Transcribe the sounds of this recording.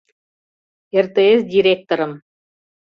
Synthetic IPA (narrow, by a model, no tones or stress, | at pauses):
ert̪eesdʲiɾʲek̚t̪oɾɤm